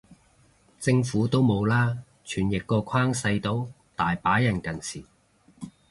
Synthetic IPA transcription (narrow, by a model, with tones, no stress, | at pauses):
t͡sɪ˧ŋfuː˨˥t̪o˥wmo˨˧wlaː˥ | t͡ʃʰyː˨˩njɪ˨kːɔː˧kʰaː˥ŋsɐ˧jt̪o˨˥w | t̪aː˨˩jpaː˨˥jɐ˨˩nkɐ˨˩nt͡sʰiː˨˩